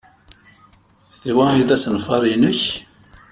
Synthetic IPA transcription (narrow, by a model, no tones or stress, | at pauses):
ðwæiðæsənfɑɾˤinəç